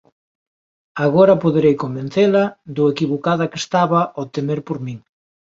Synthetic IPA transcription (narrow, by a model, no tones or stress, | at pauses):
aɣ̞oɾɐpoðeɾejkombenθelad̪oekiβokaðɐkest̪aβaʔot̪emeɾpoɾmĩŋ